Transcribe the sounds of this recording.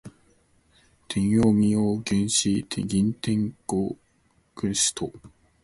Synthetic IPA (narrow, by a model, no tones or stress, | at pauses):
t̪ʰẽɰ̃joːmʲijoːɡẽɰ̃ɕit̪ʰeɡʲĩnt̪ẽ̞ŋko | kɯ̃ɰ̃ɕi̥t̪ʰo